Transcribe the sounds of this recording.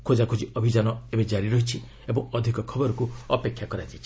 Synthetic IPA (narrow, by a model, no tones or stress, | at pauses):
kʰod͡ʒakʰod͡ʒiɔbʱid͡ʒanɔebed͡ʒaɾiɾɔɦit͡ʃʰi | ebɔŋɔd̪ʱikɔkʰɔbɔɾɔkuɔpekʰːjakɔɾad͡ʒat͡ʃʰi̥